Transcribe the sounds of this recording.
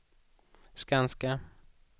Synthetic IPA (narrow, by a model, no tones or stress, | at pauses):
skanska